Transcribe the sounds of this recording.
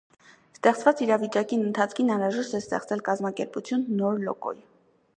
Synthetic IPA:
st̪ɛχt͡svɑt͡siɾɑvit͡ʃɑkinənt̪ʰɑt͡sʰkʰinɑnɾɑʒɛʃt̪ɛst̪ɛ̰χt͡sɛlkɑzmɑkɛɾput͡sʰjunːɔɾlɔ̰kɔ̰j

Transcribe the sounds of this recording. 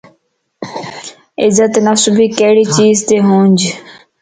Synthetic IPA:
ɪzət̪nasʊbʱiːkeːɽiːt͡ʃiːzt̪eːɦõːnʲd͡ʒ

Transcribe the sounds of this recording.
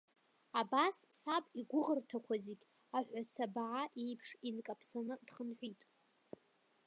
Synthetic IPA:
abasːapʼiɡʷʊʁərtʰakʷaziɡʲ | aħʷᶣasabaʕaʔejpʰʂinkʼapʰsanɨdχənħʷᶣitʼ

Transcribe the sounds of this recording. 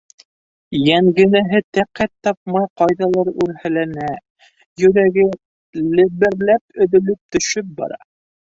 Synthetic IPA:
jæŋɡɘ̆næɦɘt̪æqæt̪ːɑp̚mɑjqɑjðɑlˠɑɾʉɾhælænæ | jɵ̆ɾæɡɘ | lɘ̆βɘ̆ɾlæpɵ̆ðɵ̆lɘp̚t̪ɵ̆ʃɵp̚bɑ̰ɾɑ̰

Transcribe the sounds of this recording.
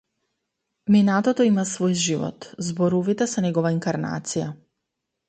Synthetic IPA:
minat̪ɔt̪ɔimasvojʒivɔ̰t̪zbɔɾuvit̪ɛsɛnɛɡɔvaiŋkaɾna̰t̪sija

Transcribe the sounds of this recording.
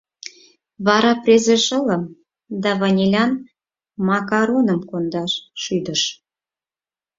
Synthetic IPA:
βɑɾɑprʲezeʃələm | d̪ɑβɑnʲelʲɑn | mɑkɑɾonəmkond̪ɑʃʃyd̪əʃ

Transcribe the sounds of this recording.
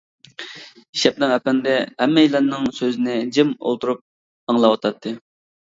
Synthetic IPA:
iʃɛp̚nɪŋɛpɛnd̪ɛhɛmːɛilænnːɪŋsøzɪnɪd͡ʒɪmo̰lˠt̪ʰuɾup̚ | ɑŋlˠɑwɑt̪ʰɑt̪ʰːɨ

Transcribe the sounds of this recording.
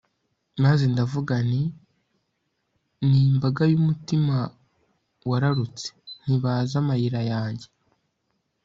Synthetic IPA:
maze̞ndavuɡani | niːmbaɡajumutima | waɾaɾut͡se̥n̥iβazamajiɾajaːɲɟe̞

